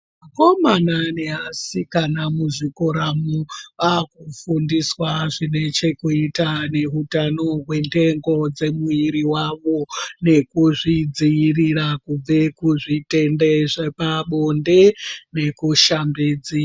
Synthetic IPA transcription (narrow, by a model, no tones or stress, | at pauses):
mako̞mananeɦasikanamuʐikoɾamuakufundiswaʐine̞t͡ʃe̞kuitane̞ɦutano̞ɦwe̞nte̞ŋɡo̞d͡ze̞muiɾiwaʋo̞ne̞kuʐid͡ziirirakub͡ve̞kuʐite̞ndeʐepaɓonde̞ne̞kuʃambiːd͡zi